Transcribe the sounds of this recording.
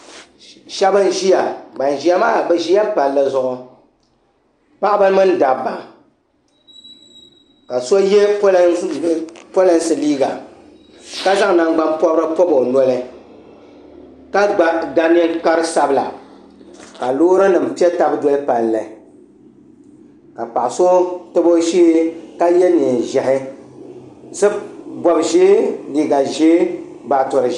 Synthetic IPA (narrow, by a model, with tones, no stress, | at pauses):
ʃɛ˦bɨ˦n˦ʒi˦ja˨ɡ͡ba˨n˨ʒi˦ja˦maː˦˨bɛ˦ʒi˦ja˦pa˨lːɨ˦zʊ˦ʔʊ˨ | pa˦ʔbɨ˦mɨ˦n˦da˨bːa˨ | ka˨so˦je˦po˦lpo˦lɛ˨nsɨ˨liː˦ɡa˨ | ka˦za˦ŋ˨na˦ŋɡ͡ba˦npɔ˦bɾɨ˦pɔ˦bo˨nɔ˦lɨ˦ | ka˦ɡ͡ba˨ɡa˦ni˦ŋka˦ɾɨ˦sa˦bɨ˦la̰˨ | ka˨loː˦ɾɨ˦nɨ˨m̩˨pi˦ɛ˦ta˦bdɔ˦lɨ˦pa˨n˨lɨ˨ | ka˨pa˨ʔso˦tɨ˦bo˦ʃi˦ka˦jɛ˦ni˨n˨ʒɛ˨hɪ˦ | sɨ˦bɔ˨bʒeː˦liː˦ɡa˨ʒeː˦ | ba˨tʊ˨ɾɨ˨